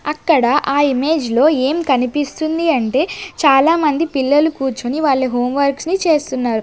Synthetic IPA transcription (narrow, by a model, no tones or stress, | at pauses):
ɐkːɐɽɐʔaːime̞ːd͡ʒlo̞ːe̞ːmkɐnipist̪und̪iɐɳʈe̞ːt͡ʃaːlaːmɐnd̪ipilːɐlukuːɾt͡ʃoniʋaːɭːɐɦo̞ːmʋɐɾksnit͡ʃe̞ːst̪unːaːɾu